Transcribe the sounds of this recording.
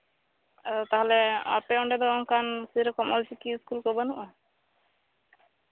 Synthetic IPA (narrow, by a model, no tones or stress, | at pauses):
t̪aɦɔleɔ̰ɾpeɔɳɖɛd̪ɔɔŋkansiɾɔkɔmɔlt͡ʃikiskulkɔbanuʔɔ